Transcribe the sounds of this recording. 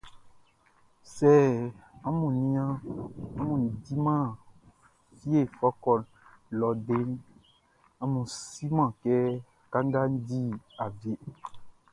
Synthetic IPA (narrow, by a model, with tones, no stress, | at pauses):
sɛ˦ã˦mũ˨nĩ˦ã˦a˦mũ˨n˨di˦mã˦˨ | fi˦e˦˨fɔ˦kɔ˦˨ | lɔ˨ɖe˦ñ˦ | a˦mũ˨si˦mã˦˨kɛ˦ | ka˦ŋ˦ɡa˦n̩˦di˦a˨ve˨˦